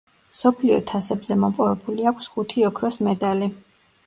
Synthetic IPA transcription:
msɔpʰliɔt̪ʰasɛbzɛmɔpʼɔvɛbuliakʷʰsχut̪ʰiɔkʰɾɔsmɛd̪ali

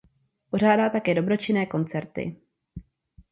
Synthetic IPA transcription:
po̞ʒ̝aːdaːt̪akɛːdo̞bɾo̞t͡ʃɪnɛːko̞nt͡sɛɾt̪ɪ̰

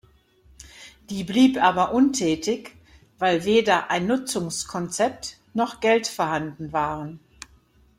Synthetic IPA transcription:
d̥iːbliːpʔaːbɐʔʊntʰɛːtɪç | vaɪlveːdɐʔaɪnːʊt͡sʊŋskʰɔnt͡sɛp̚t | nɔχɡ̥ɛltfɔɐhandn̩vaːʁən

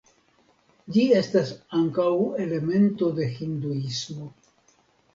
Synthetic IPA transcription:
d͡ʒie̞stasaŋkawe̞le̞me̞nto̞de̞hinduismo̞

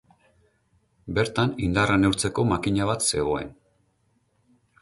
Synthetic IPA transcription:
be̞ɾt̪anind̪arane̞uwɾt͡se̞ko̞makiɲaβ̞at̪se̞ɣo̞e̞̰n

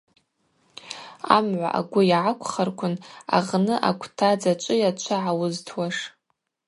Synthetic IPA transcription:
a̰mʕʷa̰ʔa̰ɡʷʊjaʕakʷʰʼχarkʷʰʊna̰ʁnɨʔa̰kʷʰtʰad͡zat͡ʃʷʼɨjat͡ʃʷʰaʕawʊztʰwaʂ

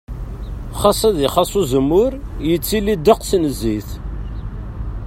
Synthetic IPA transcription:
χɑsˤɑðiχɑsˤuzəmːʊɾjət͡sːilːid̪ːəqsnəzːiθ

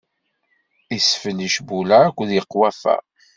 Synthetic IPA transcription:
isfənəʃbulæækʷːðjəqːwæfæ̰

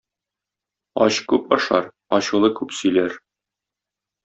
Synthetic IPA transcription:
ɒ̰ɕkʉpɒʃɑ̰ɾ | ɒɕulˠɤkʉpsɵ̆jlæɾ

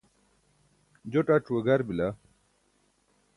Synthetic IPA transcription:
d͡ʑoʈaʈ͡ʂuwɐɡɐɾbila

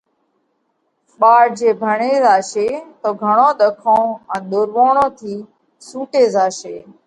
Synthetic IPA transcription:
ɓaːɽd͡ʒeːbʱəɳeːzaːʃeːt̪oːɡʱəɳõːɗ̪əkʰõːɛ̃ːɗ̪oːɾʋoːɳõːt̪ʰiː | sũːʈeːzaːʃeː

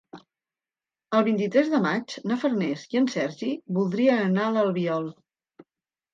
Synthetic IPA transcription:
əlˠβint̪it̪ɾɛzðəmat͡ʃnəfərnɛziənsɛɾʒiβulˠd̪ɾiəənaləlˠβiɔlˠ

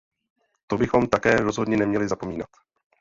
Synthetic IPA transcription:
t̪o̞bɪxo̞mt̪akɛːɾo̞zɦo̞dɲɛnɛmɲɛlɪzapo̞miːnat̪

